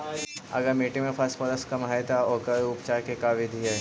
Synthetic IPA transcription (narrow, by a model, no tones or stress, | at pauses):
ɐ̰ɡəɾmeːʈẽmẽpʰɐsfɔɾəskɐmɦaet̪aɔkəɾʊpt͡ʃaːɾkekaːʋɪd̪ʱiɦɛ